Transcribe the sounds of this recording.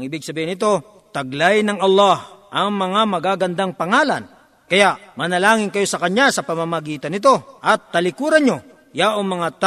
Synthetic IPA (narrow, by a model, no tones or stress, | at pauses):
ŋʔɪbɪɡ̚sɐbiːhɪnɪt̪o̞ | t̪ɐɡlajnɐŋʔɐlˠːɑhʔɐŋmɐŋamɐɡaːɡɐnd̪aŋpɐŋaːlɐ̰n | kɐjaʔmɐnɐlaːŋɪnkɐjo̞sɐkɐɲasɐpɐmamɐɡiːt̪ɐnːɪt̪o̞ʔɐt̪ːɐlɪkuːɾɐɲːo | jaʔoŋmɐŋat̪